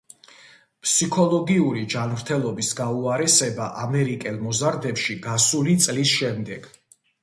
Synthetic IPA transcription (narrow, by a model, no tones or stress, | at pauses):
pʰsikʰɔlˠɔɡiuɾid͡ʒanmɾt̪ʰɛlˠɔbisɡauaɾɛsɛbaʔamɛɾikʼɛlˠmɔzaɾd̪ɛpʃiɡasulit̪sʼlisʃɛmd̪ɛɡ̥